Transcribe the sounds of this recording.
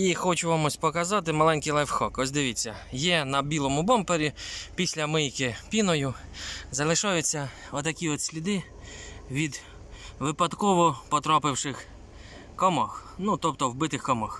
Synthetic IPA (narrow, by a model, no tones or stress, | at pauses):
ixɔt͡ʃʊʋamɔsʲpɔkɐzɑt̪̬ɪmɐlˠɛnʲkɪjlˠɛwxɔkɔsʲd̪ɪʋʲit͡sʲːɐjɛnɐbʲilˠɔmʊbɔmpeɾʲipʲisʲlʲɐmɪjkɪpʲinɔjʊzɐlˠɪʃajʊt͡sʲːɐ | ɔt̪ɐkʲiɔt̪sʲlʲid̪ɪ | ʋʲid̪ | ʋɪpɐd̪kɔʋɔpɔt̪ɾapɪwʃɪx | kɔmɔx | nut̪ɔpt̪ɔwbɪt̪ɪxkɔmɔx